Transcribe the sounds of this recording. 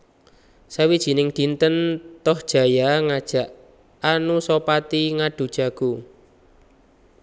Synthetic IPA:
sawid̥ʒ̥i̤nɪŋd̪̥i̤nt̪ənt̪ɔhd̥ʒ̥a̤jaŋad̥ʒ̥a̤ʔ | anusopat̪iŋaɖ̥ṳd̥ʒ̥a̤ɡ̥ṳ

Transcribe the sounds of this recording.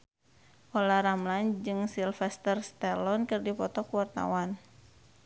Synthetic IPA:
ʔɔlaɾamland͡ʒɨŋsilfɛst̪ərst̪ɛlɔnkɨrdipɔt̪ɔkuwart̪a̰wan

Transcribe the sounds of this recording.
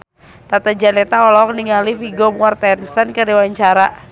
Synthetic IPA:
t̪at̪ad͡ʒalɛt̪aɔlɔk̚niŋalifiɡomuart̪ɛnsənkəɾiwaɲt͡ʃaɾa

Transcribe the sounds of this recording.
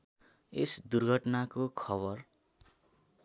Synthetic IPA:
esd̪urɡʱʌʈnakokʰʌβʌr

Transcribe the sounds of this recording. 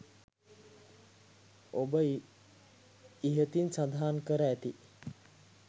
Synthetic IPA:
obə | iɦət̪insad̪ʱaːnkəɾəæt̪i

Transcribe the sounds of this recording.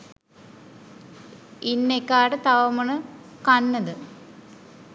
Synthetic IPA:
inːekːaːɖɨt̪ɐʋɐmɐɳɨkɐnːɐðɨ

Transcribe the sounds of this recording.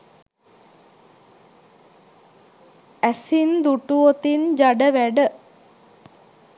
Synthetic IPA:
æsind̪uʈuot̪ind͡ʒaɖəʋæɖə

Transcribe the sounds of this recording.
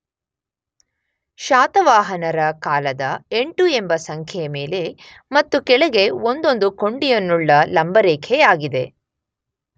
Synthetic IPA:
ʃaːt̪ɐʋaːɦɐnɐɾɐkaːlɐd̪ɐeɳʈue̞mbɐsɐŋkʰjɛjɐme̞ːle̞ | mɐt̪ːukɛɭɐɡe̞o̞nd̪o̞nd̪uko̞ɳɖijɐnːuɭːɐlɐmbɐɾeːkʰɛjaːɡid̪e̞

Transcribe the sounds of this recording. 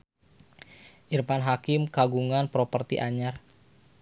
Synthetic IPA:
ʔirmanɦakɪmkaɡuŋanpɾopərt̪iʔaɲar

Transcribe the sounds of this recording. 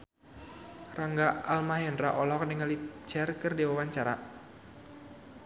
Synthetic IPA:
raŋɡaalmahjɛnraʔɔlɔk̚nəŋalit͡ʃɛrkɨrdiwawaɲt͡ʃaɾa

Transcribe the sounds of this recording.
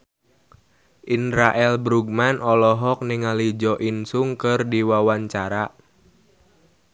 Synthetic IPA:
ʔinɾaʔɛlbɾuɡ̚manʔɔlɔɦɔk̚niŋalid͡ʒɔʔinsuŋkɨrdiwawaɲt͡ʃaɾa

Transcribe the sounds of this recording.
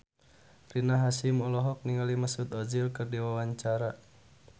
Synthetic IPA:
rinaɦasimɔlɔɦɔk̚niŋaliməsut̪ɔd͡ʒilkɨrdiwawaɲt͡ʃaɾa

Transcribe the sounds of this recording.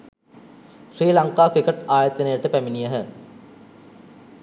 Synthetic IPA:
sriːlɐŋqaːkɾikeʈaːjɐt̪enɐjəʈəpæminijəɦə

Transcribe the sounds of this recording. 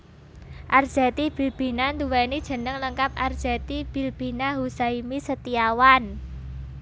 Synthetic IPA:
ʔard̥ʒ̥ɛt̪ib̥i̤lb̥i̤nand̪uwɛnid̥ʒ̥ə̤nəŋləŋkapard̥ʒ̥ɛt̪ib̥i̤lb̥i̤naɦusaimisət̪iawan

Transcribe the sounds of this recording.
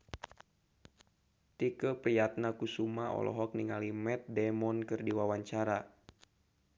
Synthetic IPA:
t̪ikəpɾijat̪̚nakusumaɔ̰lɔ̰ɦɔk̚niŋalimɛt̪̚dɛmɔnkɨrdiwawaɲt͡ʃaɾa

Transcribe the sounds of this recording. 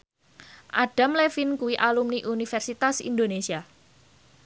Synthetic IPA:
ʔaɖ̥a̤mlefinkuwiʔalumniʔunifɛrsit̪asḭnd̪onesia

